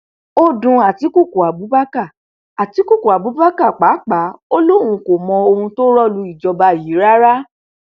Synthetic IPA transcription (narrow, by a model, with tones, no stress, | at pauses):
o˦dũ˧a˨ti˨˦ku˦˨ku˨a˨bu˨˦ba˦ka˦˨ | a˨ti˨˦ku˦˨ku˨a˨bu˨˦ba˦ka˦˨k͡pa˨˦k͡pa˨˦o˦lõ˦ũ˧ko˨mɔ̃˧o˧hũ˧to˦ɾɔ˦˨lu˧˦i˦˨d͡ʒɔ˧ba˧˨ji˨˦ɾa˦ɾa˦